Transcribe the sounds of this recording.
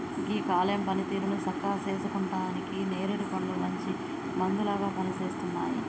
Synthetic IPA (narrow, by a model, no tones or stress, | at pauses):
ɡiːkaːlɐmpɐnit̪iːɾunut͡ʃɐkːaːt͡ʃeːs̬ɐkuɳʈaːnikineːɾuɽipɐɳlumɐɲt͡ʃi | mɐnd̪ulaːɡaːpɐnit͡ʃe̞ːst̪unːa̰ːji